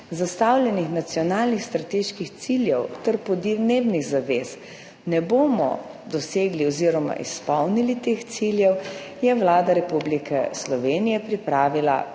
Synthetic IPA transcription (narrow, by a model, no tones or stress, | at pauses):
zast̪awlʲjɛnixnat̪siɔnaːlnixst̪ɾat̪eːʃkixt̪siljɛwt̪ɛɾpɔd̪d̪neːbniɣzaʋeːs | nɛboːmɔ̰d̪ɔseːɡliɔziːɾɔma̰ʔḭspɔwnilit̪eːxt̪siljɛwjɛwlaːd̪aɾɛpublikɛ̰slɔʋeːnijɛpɾipɾaːʋila̰